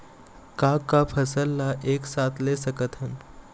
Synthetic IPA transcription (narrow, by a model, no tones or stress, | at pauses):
kakapʰəsəlːaʔeksat̪lesəkət̪ʰən